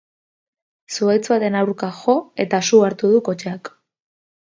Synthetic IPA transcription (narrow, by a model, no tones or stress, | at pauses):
suajt͡suaðe̞nawɾkaxo̞e̞t̪asuaɾt̪uðuko̞t͡ʃeak